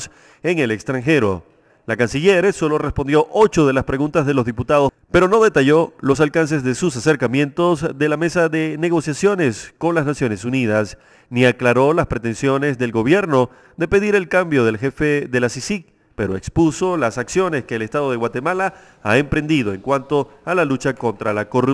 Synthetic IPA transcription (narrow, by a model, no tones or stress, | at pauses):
s | eŋe̞le̞kst̪ɾaŋxe̞ɾo̞̰ | lakansiʝe̞ɾeso̞lo̞re̞spo̞nd̪jo̞ʔot͡ʃo̞ðe̞laspɾe̞ɣũnt̪azðelo̞zðiput̪aðo̞ | pe̞ɾo̞no̞ðe̞t̪aʝo̞lo̞s̬alkans̬e̞zðe̞sus̬ase̞ɾkamjẽ̞nt̪o̞zðe̞lame̞saðe̞ne̞ɣ̞o̞sjasjone̞sko̞nlaznasjo̞ne̞sunið̞as | niaklaɾo̞laspɾe̞t̪e̞nsjo̞ne̞zðe̞lɡo̞βje̞ɾno̞ | ðe̞pe̞ðiɾe̞lkambjo̞ð̞e̞lxe̞fe̞ðe̞lasisik | pe̞ɾo̞ekspuso̞lasaksjo̞ne̞ske̞ːlest̪að̞o̞ð̞e̞ɣwat̪e̞mala | a̰empɾe̞nd̪iðo̞e̞ŋkwant̪o̞alalut͡ʃako̞nt̪ɾalako̞ru